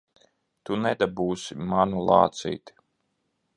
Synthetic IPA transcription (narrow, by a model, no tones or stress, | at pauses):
t̪unɛd̪abuːsimanulˠɑ̰ːt̪sḭːt̪i̥